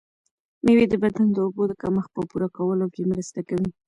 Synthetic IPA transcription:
mewed̪əbad̪and̪əobod̪əkaməxpəpuɾakawəlokemɾəst̪akawi

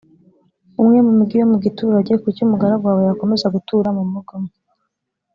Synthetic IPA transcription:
umŋe̞mumuɡijomuɡituːɾaɟe̞kucumuɡaɾaɡwaːwejako̞me̞zaɡutuːɾamumuɡam

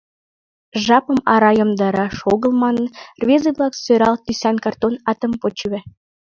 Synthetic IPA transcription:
ʒɑpə̆mɑɾɑjɤ̆md̪ɑɾɑʃoɣə̆lˠmɑnə̆nrβʲezəβlɑksøɾɑlt̪ysænkɑrt̪onɑt̪ə̆mpot͡ɕβɘ̆

